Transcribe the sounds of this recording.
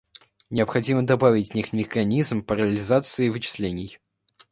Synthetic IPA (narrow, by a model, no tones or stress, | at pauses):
nʲɪəpxɐdʲiməd̪ɐbavʲɪtʲnʲixmʲɪxɐnʲizmpəɾəlʲɪzat̪sɨɪvɨt͡ɕɪ̥slʲenʲɪj